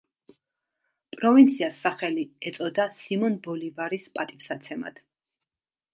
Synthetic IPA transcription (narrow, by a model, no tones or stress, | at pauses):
pʼɾɔvint̪sʰiasːaχɛliɛt̪sʼɔd̪asimɔnbɔlivaɾispʼat̪ʼiksat̪sʰɛma̰d̪̥